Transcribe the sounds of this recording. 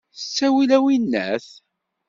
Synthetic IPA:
t͡sːæwilæwinːæ̰θ

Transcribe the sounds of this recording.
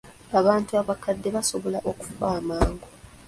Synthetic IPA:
aβaːntuaβakadːe̞βaso̞βo̞laʔoku̥faːmaːŋɡo

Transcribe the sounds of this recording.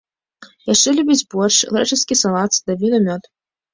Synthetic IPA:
jaʂt͡ʂɛlʲubʲid͡zʲbɔrʂlˠɛt͡ʂɨskʲisalˠat̪sd̪abʲinɐmʲɔt̪

